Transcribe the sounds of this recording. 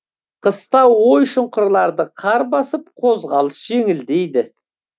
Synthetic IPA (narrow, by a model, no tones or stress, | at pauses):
qʰəst̪ɑwwojʃʊɴqʊɾlˠɑɾd̪əqʰɑɾbɑsəp̚qʰo̞zʁɑlˠəsʒ̥e̞ŋɪld̪e̞jd̪ɪ